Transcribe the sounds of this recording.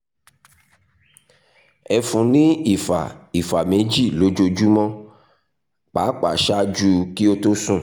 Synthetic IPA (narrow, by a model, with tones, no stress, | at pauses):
ɛ˧fũ˨nĩ˦i˨fa̰˨i˨fa˨me˨˦d͡ʒi˦˨lo˨˦d͡ʒo˧d͡ʒu˦mɔ̃˦ | k͡pa˨˦k͡pa̰˨ʃa˦d͡ʒu˦ki˦o˦to˦sũ˦˨